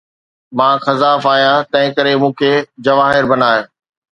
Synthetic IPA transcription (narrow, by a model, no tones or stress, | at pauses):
mãːxɐzaːfaːɦijãːt̪ɐ̃ɦɪ̃kəɾemũːkʰeːd͡ʑɐʋaːɦɪɾbɐnaːe